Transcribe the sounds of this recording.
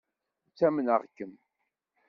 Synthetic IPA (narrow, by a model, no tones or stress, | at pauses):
t͡sːæmənəʁkːəm